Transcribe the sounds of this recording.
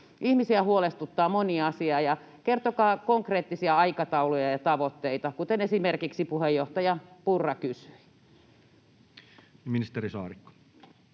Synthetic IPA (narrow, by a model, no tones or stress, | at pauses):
ihmisiæhuolest̪ut̪ːɑːmoniɑsiɑːjɑ | kert̪okɑːkoŋkreːt̪ːisiæɑikɑt̪ɑulojɑjɑt̪ɑʋot̪ːeit̪ɑkut̪enesimerkiksipuhejːoht̪ɑjɑpurːɑkysy̥i | minist̪erisɑ̰ːɾikːo̥